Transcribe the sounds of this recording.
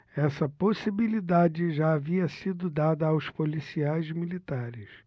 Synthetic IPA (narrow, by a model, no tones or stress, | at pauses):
ɛsɐposibilid̪ad͡ʒɪʒaːviɐsid̪ʊd̪ad̪ɐawspolisiajzmilit̪aɾɪs